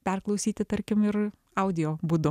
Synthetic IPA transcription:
pʲɛrklˠɐʊsʲiːt̪ʲɪt̪ɐɾʲkʲɪmɪɾ | ɐʊd̪ʲɪjoːbuːd̪ʊ

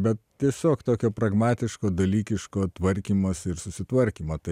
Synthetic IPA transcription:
bʲɛt̪̚t̪ʲiɛsʲoːkt̪oːkʲoːpɾɐɡmɑːt̪ʲɪʃkoːd̪ɐlʲiːkʲɪʃkoːt̪ʋɐɾʲkʲiːmoːsɪɾsʊsʲɪt̪ʋɐɾʲkʲiːmoːt̪ɐɪ

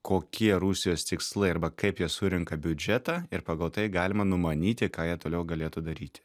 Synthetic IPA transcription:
koːkʲiɛɾusʲɪjoːst̪ʲɪkslˠɐɪɐɾbɐkɐɪpjiɛsʊɾʲɪŋkɐbʲʊd͡ʒʲɛt̪ɑːɪɾpɑːɡɐlˠt̪ɐɪɡɑːlʲɪmɐnʊmɐnʲiːt̪ʲɪkɑːjiɛt̪oːlʲɛʊɡɐlʲeːt̪ʊd̪ɐɾʲiːt̪ʲɪ̥

